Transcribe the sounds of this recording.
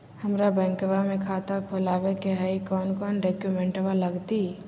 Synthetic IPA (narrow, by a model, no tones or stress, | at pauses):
həmɾabɛ̃ːŋkwamẽkʰaːt̪akʰolaːʋekeɦəikɔːnkɔːnɾeːkjumɛ̃ɳʈʋaləɡt̪i